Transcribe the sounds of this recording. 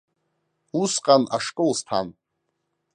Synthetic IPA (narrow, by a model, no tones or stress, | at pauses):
usqʼana̰ʂkʼɨlstʰa̰n